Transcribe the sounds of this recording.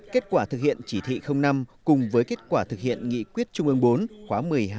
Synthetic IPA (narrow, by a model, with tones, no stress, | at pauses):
ke˦˥t̚kwaː˧˩t̪ʰɨ˨˩k̚hḭ˧˨ənt͡ɕi˧˩t̪ʰḭ˧˨xə˧wŋ͡mna˧mkʊ˨˩ŋ͡mvəː˨˦jke˦˥t̚kwaː˧˩t̪ʰɨ˨˩k̚hḭ˧˨ənŋḭ˧˨kwi˦˥ət̚t͡ɕʊ˧ŋ͡mʔɨ˧əŋɓo˨˦nxwaː˨˦mɨ˨˩əjɦaː˧